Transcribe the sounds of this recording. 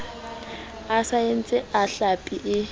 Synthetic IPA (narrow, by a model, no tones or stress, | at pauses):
asaen̩t͡sʼɪaɬapʼiʔɪ